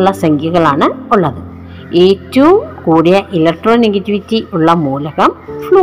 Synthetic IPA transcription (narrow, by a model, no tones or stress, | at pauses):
ɭːɐsɐŋɡʱjuɣɐɭaːɳɨuɭːɐðɨ | eːtːɐʋumkuːɽijɐʔilɐk̚ʈroːneŋɡɐtːiʋitːiʔuɭːɐmuːlɐɣɐmfɭoː